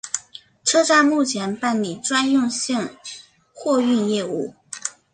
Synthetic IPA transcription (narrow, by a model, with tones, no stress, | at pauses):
ʈ͡ʂʰɤ˥ʈ͡ʂa˥˧mu˥˩t͡ɕʰjɛ˧˥npa˥˩nli˨˩ʈ͡ʂwa˥njʊ˥˧ŋɕi˥˧ŋ | xwɔ˥˧y˥˧njɛ˥˧u˥˩